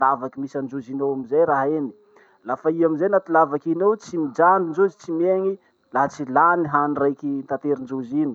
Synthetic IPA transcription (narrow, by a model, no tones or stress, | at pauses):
lavakimisand͡ʒuzinowamizejɾaɦeni̥ | lafaiamizejnat̪ulavakinowt͡simid͡ʒanind͡ʒuzit͡simeŋi | laɦt͡silaniɦanirajkint̪at̪eɾind͡ʒuzini̥